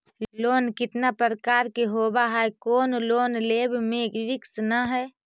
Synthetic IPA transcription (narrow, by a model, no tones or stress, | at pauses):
loːnkɪt̪napɾəɾəkaːɾkeɦobaɦaɛkoːnloːnleːbʱmẽkʋɪksnəɦɛː